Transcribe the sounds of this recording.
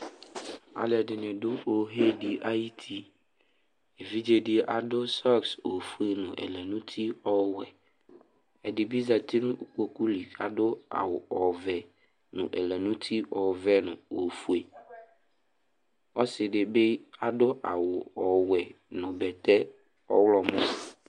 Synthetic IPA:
a̰˨lɪ˨ɛ˨dɪ˨nɪ̃˨dʊ˦o˨ɦɛ˦dɪ˨ʔa˦ji˦tʰi˦ | e˨vi˦d͡ʒe˦dɪ˦ʔa˨dʊ˦sɔ˦kso˨fu˦e˨nʊ̃˨ʔɛ̰˨lɛ˨nʊ̃˦tʰi˦ɔ˨wɛ˨ | ɛ˨dɪ˨bi˦za˨tɪ˦nʊ̃˦˨ko˨ku˦li˨a̰˨dʊ˦a̰˨wʊ˨ɔ˨vɛ˨ | nʊ̰̃˨ʔɛ̰˨lɛ˨nʊ̃˦tʰi˦ʔɔ˨vɛ˦nʊ̰̃˨o˨fu˦e˨ | ɔ˦sɪ˨dɪ˨be˦a˨dʊ˦ʔa̰˨wʊ˨ɔ˨wɛ˨ | nʊ̃˨bɛ˨t̪ɛ˦ | ɔ˦wlɔ˨mʊ̃˦˨

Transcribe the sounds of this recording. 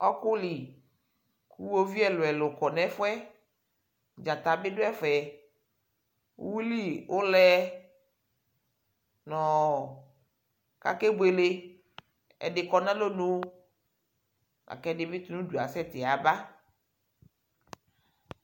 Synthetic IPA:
ɔ˦kʊ˦li˨ | kʰu˦wo˦vi˦ɛ˦lʊ˨ɛ˨lʊ˨kɔ˨nɛ̃˦fʊ˦ɛ˦ | d͡ʒã˨t̪a˨bɪ˦dʊ˦ɛ˦fɛ˨˦ | wu˦li˦wo˦lɛ˦ | nɔ̃˨ | ka̰˦ke˦be˨le˦ | ɛ̰˨dɪ˨kɔ˨nã˦lo˦nũ˦ | a̰˨kɛ˦dɪ˨˦mi˦t̪u˦nũ˦du˨a̰˨sɛ˦t̪ɪ˨a˨ba˦

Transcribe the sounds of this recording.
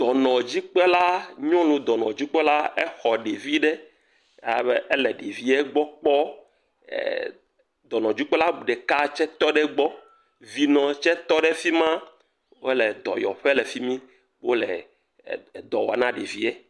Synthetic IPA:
d̪̥ɔ˨nɔ̃˨d͡ʑi˦k͡pɛ˦la˦ɲɔ̃˦lũ˨d̪ɔ˨nɔ̃˨d͡ʑi˦k͡pɛ˦la˦ɛ˦xɔ˨ɖe˨vi˦ɖɛ˦˨˦ | bɛ˦ɛ˦lɛ˨ɖe˨vi˦ɛ˦ɡ͡bɔ˦k͡pɔ̰˦˨ | d̪ɔ˨nɔ̃˨d͡ʑi˦k͡pɛ˦la˦bu˨ɖɛ˨ka˦t͡ʃɛ˦t̪ɔ˦ɖɛ˦ɡ͡bɔ˦ | vi˨nɔ̃˨t͡ʃɛ˦t̪ɔ˦ɖɛ˦fi˦mã˦ | wo˦lɛ˨d̪ɔ̰˨jɔ̰˨ɸɛ˦lɛ˨fi˦mĩ˦ | wʔo˦lɛ̰˨ | d̪ɔ˨wa˨nã˦ɖe˨vi˦ɛ˦

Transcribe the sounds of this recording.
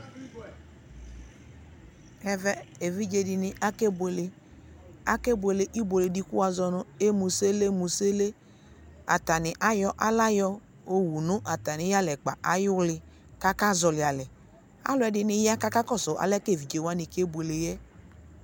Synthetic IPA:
ɛ˨vɛ˦e˨vi˦d͡ʒe˨dɪ˨nɪ˨ʔa˦ke˦be˨le˨ | a˦ke˦be˨le˨ʔi˦bʷo˨le˨di˦ku˦a˨zɔ˧nʊ̃˨e˦mu˨se˦le˦mu˨se˦le˦ | a̰˨ta˨nɪ˨ʔa˦jɔ˦ʔa˦la˦jɔ˦ | o˦wu˨nʊ̃˦ʔa˨ta˨nɪ̃˨˦ja˦˨lɛ˨k͡pa˨ʔa˦jʊ˦lɪ˨ | ka˦ka˦zɔ˨lɪ˨a˨lɛ˨ | a̰˦lʊ˨˦ɛ˨dɪ˨nɪ˦ja˦ka˦ka˦kɔ˦˨sɔ˨ʔa̰˨lɛ˦ke˦˨vi˨d͡ʒe˨wa˦ni˨ke˦bʷe˨le˨jɛ˦

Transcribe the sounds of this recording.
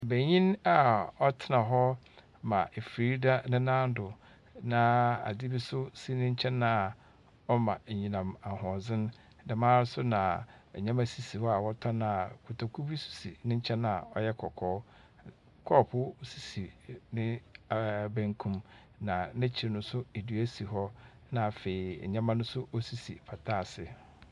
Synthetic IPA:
be˨ɲĩ˦na˨ɔ˦tʰɪ˦nã˨ɦɔ˦ | mã˨ʔe˨fɾiː˦da˦nɪ̃˦nã˦n̩˦dʊ˨ | nã˨a̰˨di˦bi˦sʊ˦si˦nɪ̃˦ɲ̩˦t͡ɕʰɛ̃˦nːã˦˨ | ɔ˦mã˨ɲĩ˨nã˨ma˨hɔ̃˨zɪ̃˦n˦ | dã˨mãː˦ɾɪ˦sʊ˦nã˨ɛ˨ɲã˦mæ˨si˨si˨hɔ˦a˨wɔ˦tʰɔ̃˦nã˦˨kʰʊ˨tʰa˨kʰu˦bi˦su̥˨sḭ˨nɪ̃˦ɲ̩˦t͡ɕʰɛ̃˦nã˨ɔ˦jɛ˦kʰɔ˨kʰɔː˦ | kʰɔː˦˨pʰʊ˦si̥˨si˨nɪ̃˦˨ | bæ̃˦ŋkʰũ˦m | nã˨nɪ̃˦t͡ɕʰi˨ɾɪ˨nʊ̃˦sʊ˦e˨dɥæ˦si˨ɦɔ˦ | nã˨fe˨i˨ɲã˦mã˦nʊ̃˦sʊ˦ʔo˦si˨sḭ˨pʰa˨tʰaː˦˨sɪ˨

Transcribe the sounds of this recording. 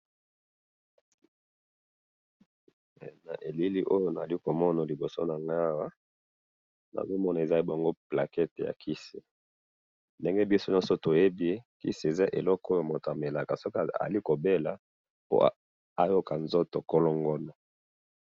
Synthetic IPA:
na̰˨ʔe˨li˦li˦ʔo˦jo˦na˨a˨li˦ko˨mɔ˦na˨li˨bo˨so̰˦na˨ŋɡa˦wa˦ | na̰˨zo˦mɔ˦na˨e˨za˦i˦bŋɡo˦pla˨kɛ˦te˨ja̰˨kʰi˦si˨ | nde˦ŋɡe˦bi˦so˦n˦ɔ˦so˦to˨je˦bi˦e˦kḭ˦si˨e˨za˦ʔe˨lɔ˦kɔ˦ja˨mo˨ta˨me˨la˨ka˨so˦ka̰˨a̰˨li˦ko˨be˦la˨ | po̰˦ | a˦jo˦ka˨nzo˦to˨ko˦lo˦ŋɡo˦na˨

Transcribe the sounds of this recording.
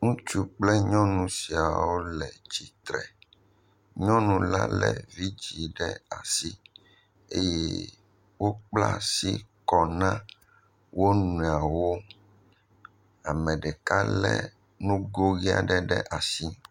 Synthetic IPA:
ŋũ˦t͡ʃu˦k͡plɛ˦ɲɔ̃˦nũ˨si˨a˨wo˦lɛ˨d͡ʒi˨t̪ɾɛ˨ | ɲɔ̃˦nũ˨la̰˦lɛ̰˨vi˦d͡ʒi˨ɖɛ˦a̰˨si˦ | e˦je˦ | wo˦k͡pla̰˦si˦kɔ˨nã˦ | wo˦nũ˨a˨wo˦ | a˨mɛ̃˨ɖɛ˨ka˦lɛ̰˦ | nũ˦ɡo˦ɣi˦a̰˦˨ɖɛ˦ɖɛ̰˦ʔa˨si˦

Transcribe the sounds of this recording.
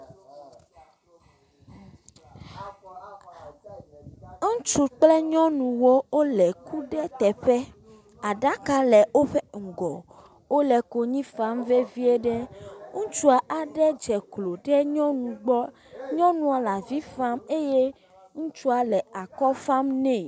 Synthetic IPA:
ŋ̩˦t͡ʃu˨k͡plɛ˦ɲɔ̃˦nũ˨wo˦o˦lɛ˨ku˦ɖɛ˦t̪ɛ˨ɸɛ˦ | a˨ɖa˦ka˦lɛ˨wo˦ɸɛ˦ŋ̩˨ɡɔ˨ | wo˦lɛ˨ko˨ɲĩ˦fa˦mve˦vi˦e˦ɖɛ˦ŋũ˦t͡ʃu˦a˨ʔa˨ɖɛ˦d͡ʒɛ˨klo˨ɖɛ˦ɲɔ̃˦nũ˨ɡ͡bɔ˦ | ɲɔ̃˦nũ˦a˨la˨vi˦fa˦me˦je˦ | ŋũ˦t͡ʃu˦a˨lɛ˨a˨kɔ˦fa˦mnɛ̃˦˨

